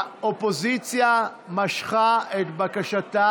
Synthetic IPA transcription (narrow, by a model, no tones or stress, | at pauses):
opo̞zit͡sja | maʃχaet̪bakaʃata